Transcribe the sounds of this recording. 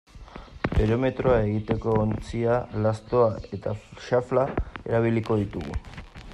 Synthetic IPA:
peɾo̞me̞t̪ɾo̞ae̞ɣ̞it̪e̞ko̞ːnt͡sialast̪o̞ae̞t̪aʃaflae̞ɾaβ̞iliko̞ð̞it̪uɣṵ

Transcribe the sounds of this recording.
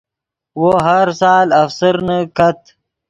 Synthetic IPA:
woɦaɾsɑːlɐfsəɾnakat̪

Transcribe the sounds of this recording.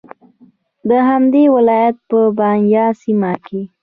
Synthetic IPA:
d̪əɦamd̪ewɪlɑjat̪̚pəbɑnjɑsimake

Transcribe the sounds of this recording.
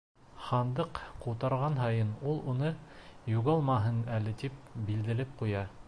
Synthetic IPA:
χɑnd̪ɤqquwt̪ɑɾʁɑnɦɑjɤnulˠunɤjuʁɑlˠmɑɦɤnælɘ̆t̪ip̚bild̪ɘ̆lɘp̚qujɑ

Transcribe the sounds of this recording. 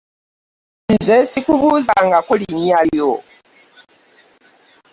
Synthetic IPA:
nzesikuβuzaŋɡakolinijalo

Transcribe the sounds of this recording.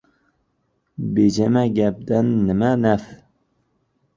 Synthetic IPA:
bed͡ʒɛmæɡʲɛp̚d̪ænːɪmænæf

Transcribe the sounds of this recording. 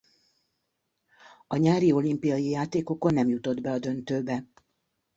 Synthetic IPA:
ɒɲaːɾio̞limpijɒjijaːt̪eːko̞ko̞nːɛmjut̪o̞d̪bɛɒd̪ø̞nt̪øːbɛ

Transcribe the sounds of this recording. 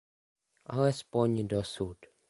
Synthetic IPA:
a̰lɛspɔɲdɔsud

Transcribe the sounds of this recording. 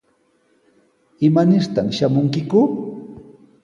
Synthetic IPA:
ɪmanɪɾt̪amʃamʊŋkɪkʊ

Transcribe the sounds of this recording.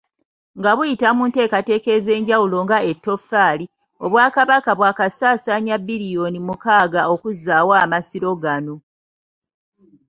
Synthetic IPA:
ŋɡaβujitamunte̞ːkate̞ke̞ze̞ːɲɟawulo̞ŋɡae̞tːo̞faːli | o̞βwaːkaβakaβwaːkasaːsaɲabiɾijo̞nimukaːɡao̞kuzaːwaːmasiɾo̞ɡano̞

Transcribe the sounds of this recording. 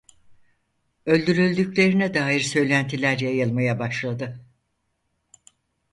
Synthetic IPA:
ø̞lʲd̪yɾylʲd̪ycʲlʲe̞ɾinɛd̪aːjiɾsø̞jlʲænt̪ʰilʲæɾjajɯlˠmajabaʃlˠad̪ɯ

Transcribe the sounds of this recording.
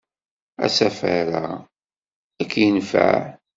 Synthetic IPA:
æ̰sæfaɾa | ækːjənfa̰ʕ

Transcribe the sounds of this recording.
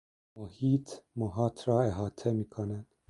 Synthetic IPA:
mohiːt̪ʰmoɦɑːt̪ʰɾɑːeɦɑːt̪ʰemiːkʰonæn

